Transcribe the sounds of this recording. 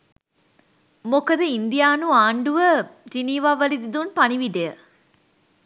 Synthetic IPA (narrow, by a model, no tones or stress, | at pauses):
mokəd̪əind̪ijaːnuaːɳɖuʋəd͡ʒiniːʋaːʋːəlid̪id̪unpaniʋiɖejə